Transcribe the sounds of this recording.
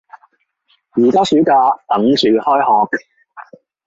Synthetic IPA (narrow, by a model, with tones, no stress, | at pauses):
jiː˨˩kaː˥syː˨˥kaː˧t̪ɐ˨˥ŋt͡ʃyː˨˧hɔː˥jhɔː˨˧k̚